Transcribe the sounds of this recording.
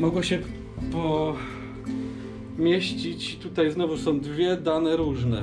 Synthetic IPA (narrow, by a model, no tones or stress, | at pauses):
mɔɡwɔɕɛ | pɔ | mʲjeɕt͡ɕit͡ɕt̪ut̪ajznɔvusɔ̃w̃d̪vʲjɛd̪anɛɾuʐnɛ